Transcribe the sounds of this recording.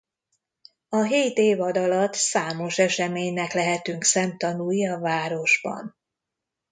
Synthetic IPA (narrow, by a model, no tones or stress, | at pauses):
ɒɦeːt̪eːvɒd̪ɒlɒt̪saːmo̞ʃɛʃɛmeːɲnɛklɛɦɛt̪yŋksɛmt̪ɒnujɒvaːɾo̞ʒbɒ̰n